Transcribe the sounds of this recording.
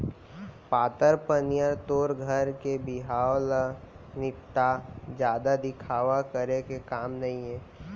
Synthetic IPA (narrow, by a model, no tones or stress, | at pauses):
paːt̪əɾpənijəɾt̪oːɾɡʱəɾkebɪɦaːolə | nɪt̪ːad͡ʒjaːd̪ad̪ɪkʰaːʋakəɾekekaːmnɐɦĩɦɛ̃ː